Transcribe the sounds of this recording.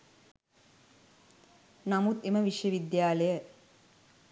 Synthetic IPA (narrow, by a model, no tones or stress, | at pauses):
namut̪eməʋiʃjəʋid̪jaːləjə